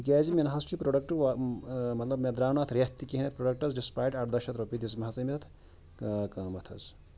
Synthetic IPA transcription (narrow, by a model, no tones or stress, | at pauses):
ikazimenɐɦɐsʈʰipɾoɖɐk̚ʈɨ | mɐt̪lɐbmed̪ɾaːwnat̪ʰɾʲɐt̪ːikiɦinet̪̚ʰpɾoɖɐk̚ʈɐzɖispaːjɖɐʈd̪ɐʃɐt̪ɾopid̪is̬mɐɦɐsɐmiɐt̪ʰ | kɐmɐt̪ʰɐ̰z